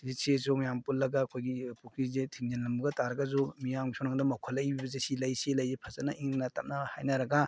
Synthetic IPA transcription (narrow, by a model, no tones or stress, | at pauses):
zesezomijampulːɐɡaːkʰojɡipukʰizetʰiŋd͡ʒenlɐmbɐɡɐtaɾɐɡɐzumijaŋsʰonɐŋdɐmɐkʰɔlːɐjbibɐzesilɐjselɐjzepʰɐzɐnɐʔiŋnɐtɐm̚nɐha̰jnɐɾɐɡa